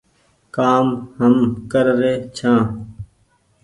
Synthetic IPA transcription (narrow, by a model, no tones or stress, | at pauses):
kaːmhəmkəɾɾeːt͡ʃʰãː